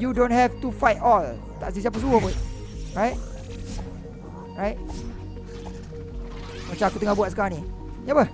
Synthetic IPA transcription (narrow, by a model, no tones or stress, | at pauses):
judõntɦɛvtufajtɔl | t̪a̰ʔsisiap̬əsuəpuj | ɹajt̚ | ɹajt̚ | mat͡ʃamakut̪əŋahbuat̚səkaɾãni | niapə